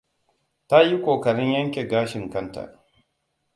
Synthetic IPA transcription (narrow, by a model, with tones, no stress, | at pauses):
ta˦ji˦kʷoː˨kɐ˨ɽɪ˦ɲjɐ˦ŋkʲeː˨ɡaː˦ʃɪ˨ŋkɐ˦nta̰˨